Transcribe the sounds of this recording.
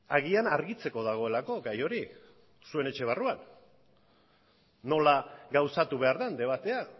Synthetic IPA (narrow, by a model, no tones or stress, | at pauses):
aɣianaɾɣit͡se̞ko̞ðaɣ̞o̞e̞lako̞ɣajo̞ɾi | sue̞ne̞t͡ʃe̞β̞aruan | o̞laɣawsat̪uβ̞e̞aɾðand̪e̞β̞at̪e̞a